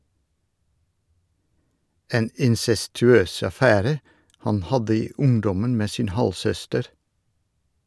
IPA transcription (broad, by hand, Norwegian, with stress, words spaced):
ˈeːn ɪnsɛstʉˈøːs ɑˈfæːɾə ˈhɑn ˈhɑdə ˈiː ˈʊŋdɔmən ˈmeː ˈsiːn ˈhɑlsœstəɾ